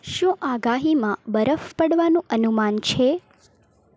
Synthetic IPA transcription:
ʃũʔaɡaɦimãbəɾəfpəɽʋanũʔənumant͡ʃʰe

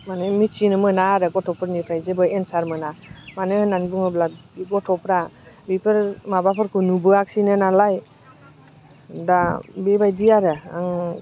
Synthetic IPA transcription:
manɯmit͡ʃinɯmɯnaɾɯɡɔtʰɔpʰɯɾnipʰɾajzebɯjensaɾmɯnamanɯnanbɯŋɯblaɡɔtʰɔpɾabipʰɯɾmabapʰɯɾkʰunubɯak̚sinɯnalaj | dabebajdiaɾɯa̰ŋ

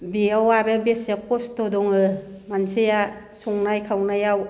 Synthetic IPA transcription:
biawaɾɯbesakʰɔstɔdɔŋɯmanseja | suŋnajkʰawnajaw

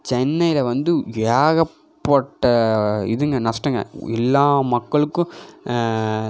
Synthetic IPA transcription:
t͡ʃɛnːɐjɪlɐʋɐnd̪ɯʋaːɣɐ | pːɐʈːɐɪðɯŋɡɐnɐsʈːɐŋɡɐ̰ɛ̰lːaːmɐkːɐɭɯkːʊ̃

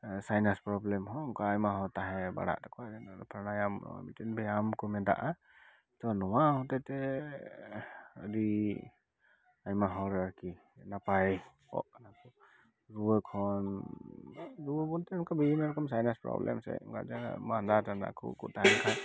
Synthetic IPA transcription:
sajnaspɾɔblɛmɦɔŋkaajmaɦɔtaɦɛba̰ɽa̰ʔtakʰɔazɛnapʰəɾnajamnɔ̰a̰mitinbɛamkumɛda̰ʔa | tɔnɔwahɔtɛtɛ | adi | ajmaɦɔɾaɾki | napaj | ɔ̰ʔnakʰu | ɾuɔkʰɔn | ɾubɔntɛnkʰabiimɛɾɔkɔmsajnaspɾɔ̰blɛ̰msɛ̰ŋɡa̰tamandatanda̰kʰṵkṵtaɦɛkʰa

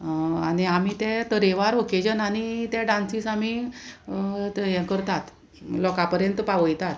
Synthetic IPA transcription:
aniamit̪ɛ̃t̪əɾeʋaɾoked͡ʑənañit̪ɛ̃ɖãnsisami | jɛ̃kəɾt̪at̪ | lɔkapəɾjənt̪paʋəjt̪at̪

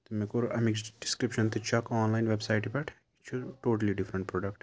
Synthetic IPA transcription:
t̪umekoɾʔɐmiksɖɪskɾipʃɐ̃nt̪ɨt͡ʃɐkɔːnlaːɪnʋebsaːɪʈpɐʈʰ | it͡ʃʰuʈoːʈɐliɖifʰɾə̃ɳʈ̚pɾɔːɖɐkʈ

